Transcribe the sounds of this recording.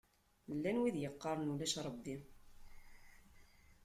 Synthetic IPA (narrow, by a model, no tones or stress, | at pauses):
lːænwiðjəqːɑɾˤnulæʃɾˤəbi